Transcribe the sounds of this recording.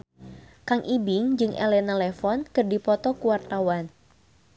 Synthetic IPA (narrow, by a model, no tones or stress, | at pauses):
kaŋʔibɪŋd͡ʒɨŋʔɛ̰lɛnalɛfɔnkɨrdipɔt̪ɔkuwart̪awan